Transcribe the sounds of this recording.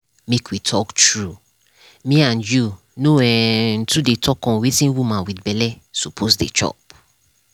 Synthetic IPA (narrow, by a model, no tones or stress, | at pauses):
mekʰwitʰɔktɹu | mĩãnju | noɛn̩tʰudetʰɔkɔ̃wetĩnwumãwidbɛlɛ | supʰosdḛt͡ʃɔ̰p̚